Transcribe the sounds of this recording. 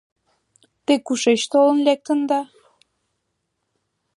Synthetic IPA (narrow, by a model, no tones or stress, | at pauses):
t̪ekuʃeʃt̪olənlʲek̚t̪ə̆nd̪ɑ